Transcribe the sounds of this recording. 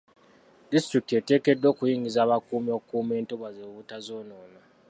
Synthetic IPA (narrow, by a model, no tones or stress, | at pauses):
distrik̚tetekedːoːkujiːŋizaːβakumiokume̞ːntoβazeβutazoːnoːna